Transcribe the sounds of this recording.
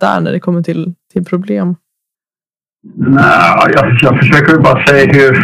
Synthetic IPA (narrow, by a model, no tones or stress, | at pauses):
æ̰ːɳæ̰ɖɛkʰɔmːəʈʰɪlt̪ʰɪlpʰɾʊbleːm | næjɑːjɑːfəʂøːkəɾvɛlbɑːɾasɛjahɵɾ